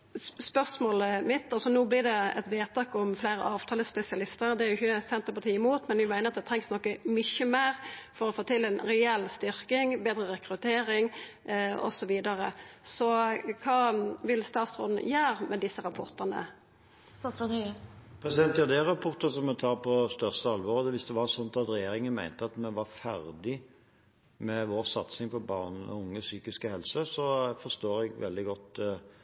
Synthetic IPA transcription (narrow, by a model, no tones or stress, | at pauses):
spœʁsmoːləmɪt̪ːɑlsɔnuːblɪʁd̪ɛɛ̰t̪ʋeːt̪ʰɑːkɔmflæɪɾə̰ʔɑːʋt̪ʰɑːləspɛsɪɑlɪst̪əd̪ɛɾjʊçəsɛnt̪əɾpɑt̪ʰiːɪmuːt̪mɛnʋɪmæɪnəɾɑt̪̚d̪ɛt̪ʰʁɛŋsnɔkːəmʏçːəmæːʁfɔɾɔfoːt̪ɪlːɛnɾɛɛlːst̪ʏɾkɪŋbeːd̪ɾəʁɛkɾʉt̪ʰeːɾɪŋ | ɔ̰sɔʋiːd̪ɑɾəsɔkʰɑːʋɪlst̪ɑːt̪sʁoːd̪n̰jæːʁmɛd̪ɪsːəɾɑpʰɔʁt̪ənə̰ | t̪ɑːsɾɔpʰɾɛsɪd̪ɛnt̪jɑʁd̪eːʁɑpʰɔʁt̪əsɔmːɛt̪ʰɑːʁpʰɔst̪œʁst̪əɑlʋɔɾəd̪ɛʋɪsd̪ɛʋɑsɔnt̪ɑt̪ɾɛjeːɾɪŋənmæɪnt̪əɑt̪mɛʋɑfæɾd̪ɪ | mɛʋoːʁsɑt̪sɪŋfɔɾbɑːʁn̩ɔ̰ʊŋːəsyːkɪskəhɛlsəsɔfɔʁst̪oːɾɛɡʋɛ̰ld̪ɪɡɔt̪ː